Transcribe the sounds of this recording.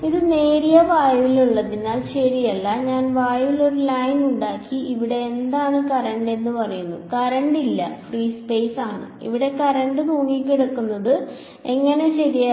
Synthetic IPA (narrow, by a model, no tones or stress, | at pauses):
iðɨne̞ːɾijɐʋaːjɐʋiluɭːɐðinaːlɕɐɾijɐlːɐɲaːnʋaːjɐʋilo̞ɾulɐːjnuɳɖaːkːiʔiʋiɽe̞ːnd̪aːɳɨkɐrɐɳɖe̞nːɨpɐrɐjunːukɐɾɐɳɖilːɐ̰friːspeːsaːɳɨ̰ḭʋiɽe̞kɐɾɐɳɖɨkuːɳikʲːeɽukːunːɐðɨ | e̞ŋːɐne̞ɕɐɾijɐ